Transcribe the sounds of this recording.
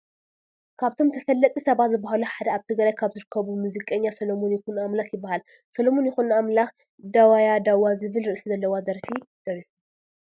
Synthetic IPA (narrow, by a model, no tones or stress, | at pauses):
kʰaβt̪ʰo̞mt̪ʰɐfɐlːɐt̪ʼisɐβat̪zɨbːaɦaluħad̪ɐaβt̪ʰɨɡɾajkʰaβzɨɾɨkʰːɐβumuzikʼɐɲːasɐlomonjɪxunamlaxjɪbːahal | sɐlomonjɪxunamlax | d̪awajad̪awazɨβɨlɾɨʔsizɐlːɐwad̪ɐɾfid̪̥ɐɾifu